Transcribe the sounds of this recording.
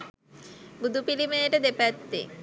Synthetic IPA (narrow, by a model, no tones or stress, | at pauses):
bud̪ʱupilimeeʈed̪epɛt̪ːḛ